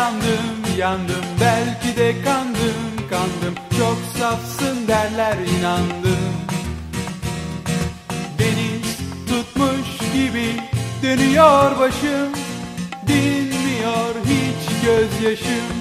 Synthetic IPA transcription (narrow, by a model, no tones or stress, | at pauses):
and̪ɯmjand̪ɯmbælʲcid̪ɛkʰand̪ɯmkʰand̪ɯmt͡ʃʰoksafsɯnd̪æɾlʲæɾinand̪ɯm | benit̪ut̪muʃɟibid̪ønyjɔɾbaʃɯmd̪inmijɔɾɦit͡ʃɟøzjaʃɯm